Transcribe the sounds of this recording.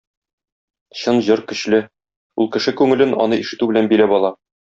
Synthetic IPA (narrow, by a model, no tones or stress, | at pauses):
ɕɤnʑɤɾkɵ̆ɕlɘ | ulˠkɘ̆ʃɘkʉŋɘ̆lɘnɒ̰nɤiʃɘ̆t̪ʉbɘ̆lænbilæbɒlˠɑ